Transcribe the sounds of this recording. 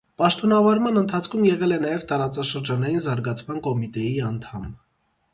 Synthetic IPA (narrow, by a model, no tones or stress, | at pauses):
pɑʃt̪ɔnɑvɑɾmɑnənt̪ʰɑt͡sʰkʰumjɛʁɛlɛnɑjɛvt̪ɑɾɑt͡sɑʃəɾd͡ʒɑnɑjinzɑɾɡɑt͡sʰmɑnkɔmit̪ɛjiɑnt̪ʰɑm